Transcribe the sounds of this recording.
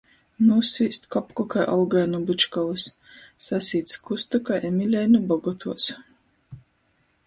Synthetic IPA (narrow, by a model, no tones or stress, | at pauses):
nusviːst̪kɔpkɔkajʔɔlˠɡajnubɨt͡ʃkɔvɨsː | asʲiːt̪skust̪ukaʔɛmʲilʲɛjnubɔɡɔt̪ʰuɔs